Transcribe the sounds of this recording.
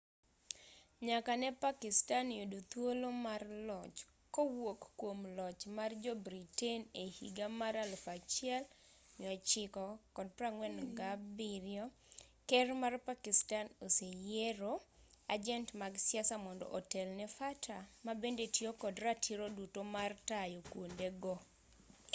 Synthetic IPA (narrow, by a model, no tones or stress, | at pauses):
ɲakanɛpakɪstanodut̪wolomarlɔt͡ʃ | kowokːwomlɔt͡ʃmard͡ʒɔbɾitenehḭɡamaɾalfat͡ʃɪɛl | ɲɔt͡ʃɪkɔkɔd̚praŋwɛnɡabɪɾjɔ | kɛrmarpakɪstanosejeɾoad͡ʒɛntmaɡsjasamɔndɔ̰ʔɔtɛlnɛfatʰamabendetjokɔdratʰiɾodutomartajokwondeɡɔ